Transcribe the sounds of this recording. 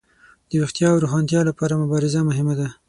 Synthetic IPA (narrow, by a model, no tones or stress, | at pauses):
d̪̥əɾuxt̪jɑwɾuxɑnt̪jɑlapɑɾamʊbɑɾɪzamʊɦɪmad̪a